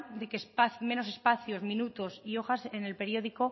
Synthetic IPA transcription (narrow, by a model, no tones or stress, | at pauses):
d̪ekespaθmẽ̞no̞se̞spaθjozmĩnut̪o̞sio̞xase̞ne̞lpe̞ɾjo̞ðiko̞